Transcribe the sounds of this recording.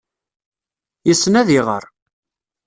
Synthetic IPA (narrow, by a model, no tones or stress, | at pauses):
jəsːənæðiʁə̰ɾ